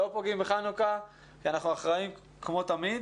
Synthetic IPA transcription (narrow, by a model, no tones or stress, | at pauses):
opoɡimbeχanuka | kianaχnuaχʁaim | kmo̞t̪amid̪